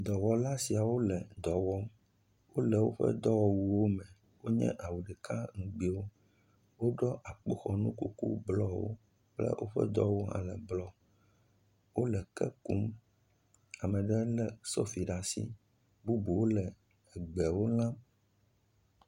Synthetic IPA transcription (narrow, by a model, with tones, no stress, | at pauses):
d̪ɔ˨wɔ˦la˦si˨a˨wo˦lɛ˨d̪ɔ˨wɔ˦ | wo˦lɛ˨wo˦ɸɛ̰˦d̪ɔ˦wɔ˦wu˨wo˦mɛ̃˨ | wo˦ɲɛ̰̃˦ʔa˨wu˨ɖɛ˨ka˦ŋũ˨ɡ͡bi˨wo˦ | wo˦ɖɔ˦ʔa˨k͡po˦xɔ˨nũ˦ku˦kṵ˦blɔ˦wo̰˦ | k͡plɛ̰˦wʔo˦ɸɛ̰˦d̪ɔ˦wo˦ɦã̰˦lɛ˨blɔ˦ | wo˦lɛ˨kɛ˦ku˦m | a˨mɛ̃˨ɖɛ˦lɛ˨sɔ˦fi˨ɖa˨sḭ˦ | bu˦bu˨wo˦lɛ˨ | ɛ˨ɡ͡bɛ˨wo˦lã˦